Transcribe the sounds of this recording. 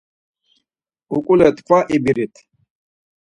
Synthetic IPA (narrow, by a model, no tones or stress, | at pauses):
ukʼulɛt̪ʰʼkʰwaʔibiɾit̪ʰ